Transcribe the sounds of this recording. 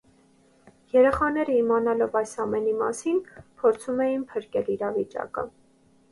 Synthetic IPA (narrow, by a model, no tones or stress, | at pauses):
jɛɾɛχɑnɛɾəimɑnɑlɔvɑjsɑmɛnimɑ̰sinpʰɔɾt͡sʰumɛjinpʰəɾkɛliɾɑvit͡ʃɑ̰kə̰